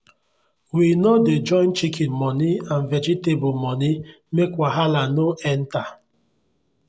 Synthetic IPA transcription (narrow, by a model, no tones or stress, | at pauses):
winɔded͡ʒɔɪ̃nt͡ʃikʰinmɔnian̩vɛd͡ʒitebʊmɔni | mekʷaɦalanoɛn̩ta